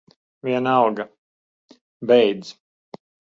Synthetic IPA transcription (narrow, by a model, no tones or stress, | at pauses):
viɛnɑlɡa | bɛjd̪z